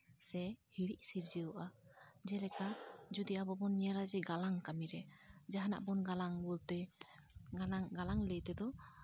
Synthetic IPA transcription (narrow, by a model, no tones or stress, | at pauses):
sɛhiɾiʔsiɾd͡ʒiəʔad͡ʒɛlɛkad͡ʒud̪iabɔbɔnɲɛɾad͡ʒɛɡalaŋkamiɾɛd͡ʒaɦana̰ʔbɔnɡalaŋbɔlt̪ɛ | aŋɡalaŋləjt̪ɛd̪ɔ